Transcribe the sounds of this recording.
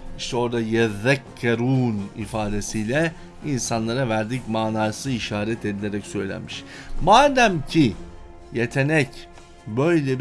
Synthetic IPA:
iʃt̪ʰɛo̞ɾd̪ajɛðɛkʰːeɾuːnifaːd̪esijlʲɛ | insanlˠaɾavæɾd̪icmaːnaːsɯiʃaːɾɛt̪ʰed̪ilʲeɾɛcsø̞jlʲæ̰nmiʃ | maːd̪æmcʰi | jet̪ʰe̞nɛc | bø̞jlʲɛb

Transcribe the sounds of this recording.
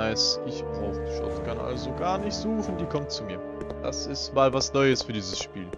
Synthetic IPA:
aɪsʔɪçb̥ʁaʊxʃʊ̰tkʰanʔa̰lzoɡaːɐnɪçtz̥uːxn̩diːkʰɔmtt͡sumiːɐd̥a̰sɪstmaːlvasnɔʏəsfyːɐdiːzəsʃpḭːl

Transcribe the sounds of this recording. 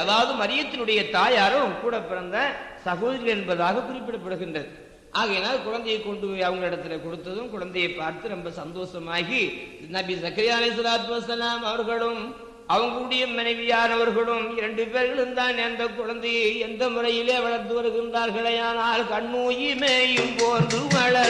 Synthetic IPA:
ɐðaːʋɐðɯmɐɾɪjɐt̪ːɪlɯɽɐjɐt̪aːjaːɾɐkuːɽɐpːɪɾɐnd̪ɐsɐɣoːðɐɾɪɣɐɭɛnbɐðaːɣɐkʊrɪpːɪɽɐpːɐɽɯɣɪndrɐðɯ | ʔaːɣɐeːnaːlkʊɻɐnd̪ɐjɐɪkːɔɳɖɯoɐʋɐŋɡɐɭɪɽɐt̪ːɪlɐkɔɽɯt̪ːɐðɯmkʊɻɐnd̪ɐjɐɪpːaːɾt̪ɯɾɔmbɐsɐnd̪oːsɐmaːɣinɐbisɐkɐɾɪjaːlɐɪs̬ɐðaːt̪̬mɐsɐlaːmɐʋɐɾɣɐɭɯm | ɐʋɐŋɡɯɽɪjɐmːɐnɐɪʋɪjaːɾɐʋɐɾɣɐɭɯmɪɾɛɳɖɯpeːɾɣɐɭɯnd̪aːnɛnd̪ɐkʊɻɐnd̪ɐjɛnd̪ɐmʊrɐjɪleːʋɐɻɐɾt̪ɯʋɐɾɯɣɪndraːɾɣɐɭɐjaːnaːlkɐɳːuːjimeːjɪmpoːndɯmɐɭɐ

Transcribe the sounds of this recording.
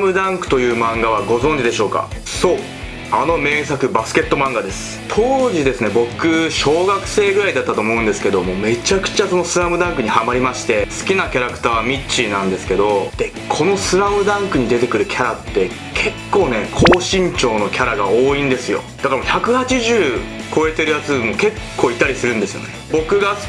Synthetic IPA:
mɯ̟d̪ãŋkɯ̟̥t̪o̞jɯ̟ːmãŋɡaβ̞aɡo̞zõɲ̟d͡ʑid̪e̞ɕo̞ːka̰ | so̞ː | ano̞me̞ːs̬akɯ̟basɨ̥ke̞t̪ːo̞mãŋɡad̪e̞sɨ̥t̪ʰo̞ːʑid̪e̞sɨne̞bo̞kɯ̟ɕo̞ːɡakɯ̟̥se̞ːɡɯ̟ɾaid̪at̪ːat̪oːmo̞ɯ̃nd̪e̞sɨ̥ke̞d̪o̞mo̞ːme̞t͡ɕakɯ̟̥t͡ɕaso̞no̞sɨɾamɯ̟d̪ãŋkɯ̟ɲ̟ihamaɾʲimaɕi̥t̪e̞sɨ̥kʲinakʲaɾakɯ̥t̪aːmʲit͡ɕːinãnd̪e̞sɨ̥ke̞d̪o̞d̪̥e̞ | kʰo̞no̞sɨɾamɯ̟d̪ãŋkɯ̟ɲ̟id̪e̞t̪e̞kɯ̟ɾɯ̟kʲʰaɾat̪ːe̞ | kʰe̞kːo̞ːne̞kʰo̞ːɕĩɲt͡ɕo̞ːno̞kʲaɾaɡa̰oːĩnd̪e̞sɨjo̞̰d̪akaɾamoçʲakɯ̟hat͡ɕiʑɨːkʰo̞e̞t̪e̞ɾɯ̟jat͡sɨmoke̞kʰːo̞ːit̪ːaɾʲisɨɾɯ̟̃nd̪e̞sɨjo̞̰ne̞bo̞kɯ̟ɡḁ

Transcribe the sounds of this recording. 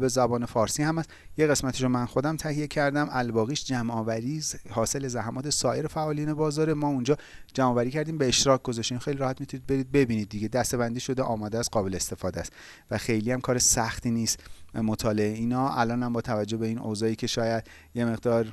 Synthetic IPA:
be̞zæbɒːne̞fɒːɾsiːhæmæs | jeɣe̞smæt̪ʰiʃomænxo̞d̪æmt̪ʰæhije̞cʰæɾd̪æmʔælbɒːɣiːʃd͡ʒæmʔɒːvæɾiːshɒːse̞lezæɦæmɒːt̪ʰesɒːʔe̞ɾefæʔɒːliːnebɒːzɒːɾemɒːund͡ʒɒː | d͡ʒæmɒːvæɾiːcʰæɾd̪iːmbe̞eʃt̪ɾɒːcɡozɒʃt̪inxejliɾɒːhæt̪mit̪ʰuniːd̪̚be̞ɾiːd̪̚be̞biːniːd̪ːiɡe̞d̪æst̪e̞βænd̪iːʃo̞d̪eʔɒːmɒːd̪ææst̪̚ɢɒːbe̞leːst̪e̞fɒːd̪æst̪ | væxe̞jliːæmkʰɒːɾesæxt̪ʰiːniːst̪mot̪ʰɒːle̞eiːnɒːʔælɒːnhæmbɒːt̪ʰævæd͡ʒːobe̞iːno̰zɒːjiːcʰe̞ʃɒːjæd̪ | je̞me̞ɣd̪ɒːɾ

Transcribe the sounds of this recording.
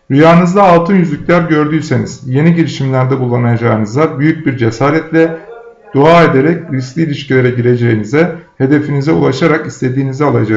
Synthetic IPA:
ɾyjaːɯnɯzd̪aːlˠt̪ʰɯnjyzlʲycʲlʲæɾɟø̞ɾd̪yːse̞niz̥je̞niɟelʲiʃimlʲæɾd̪ɛbulˠːanajad͡ʒaːɯnɯzd̪abyjyc̚biɾd͡ʒe̞saːɾɛt̪lʲɛ | d̪̥uaːe̞d̪e̞ɾɛc̚ɾisk̪lʲiːlʲiʃcilʲe̞ɾɛɟiɾe̞d͡ʒe̞jinizɛhe̞d̪e̞finizɛulˠaʃaɾakist̪ʰe̞d̪iːnizɛalˠad͡ʒa

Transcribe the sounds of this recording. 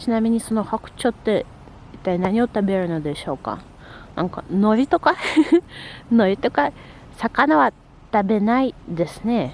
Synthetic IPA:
t͡ɕinamʲiɲ̟iso̞no̞hakɯ̟̥t͡ɕo̞t̪ːe̞ | it̪ːainaɲ̟io̞t̪abeɾɯ̟nod̪e̞ɕo̞ːka̰ | nãŋka̰no̞ɾʲit̪o̞ka | no̞ɾʲit̪o̞ka | sakanaβa | t̪abe̞naid̪e̞sɨ̥ne

